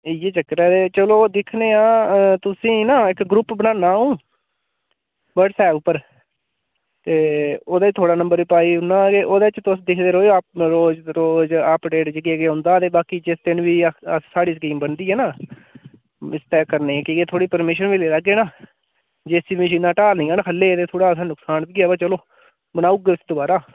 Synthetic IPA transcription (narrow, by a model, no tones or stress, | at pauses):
ɪjeːt͡ʃəkɾɛːt̪eːt͡ʃəloːd̪ɪkʰneːãːt̪ʊsĩːnaːɪkɡɾʊpbənãːnaːũː | bəɖsɛːʊpːəɾ | eːoːd̪aːt̪ʰoːɽaːnə̃mbəɾʋiːpaːiːʊnːaːɡeːʔoːd̪eːt͡ʃt̪ʊsd̪ɪkʰd̪eːɾɦoːapɾoːd͡ʒɾoːd͡ʒapɖeːʈd͡ʒəɡeɡeːõːnd̪aːət̪eːbaːkiːd͡ʒɪst̪ɪnʋiːəssaːɽiːskiːmbənd̪iːɦɛːnãː | ɪst̪ɛːkəɾneːɛ̃ːkɪɡeːt̪ʰoːɽiːpəɾmɪʃənʋiːleːlaɡeːnaː | d͡ʒeːsiːimɪʃ̬ĩːnaːʈaːlnĩːaːnaːkʰəlːeːt̪eːt̪ʰoːɽaːsãːnʊksaːnb̪iɡaːbaːt͡ʃəloː | bənaːuːɡɪsd̪obaːɾaː